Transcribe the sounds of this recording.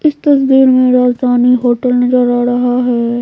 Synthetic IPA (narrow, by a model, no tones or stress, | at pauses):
ɪst̪ɐsd̪iːɾmẽɾaːsaːniɦoːʈəlnɐzəɾaːɾɐɦaɦɛː